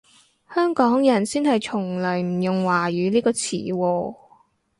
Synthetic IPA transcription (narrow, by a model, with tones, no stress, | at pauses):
hœː˥ŋkɔː˨˥ŋjɐ˨˩nsiː˥nhɐ˨jt͡sʰʊ˨˩ŋlɵ˨˩jm̩˨˩jʊ˨ŋwaː˨˩jyː˨˧liː˥kɔː˧t͡sʰiː˨˩˦wɔː˧